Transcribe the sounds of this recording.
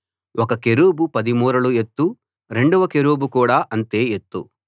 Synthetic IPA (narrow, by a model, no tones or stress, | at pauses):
ʔɔkɐkeɾuːbupɐd̪imuːɾɐluet̪ːu | ɾe̞ɳɖuʋɐkeɾuːbukuːɽaːʔɐnt̪e̞ːet̪ːṵ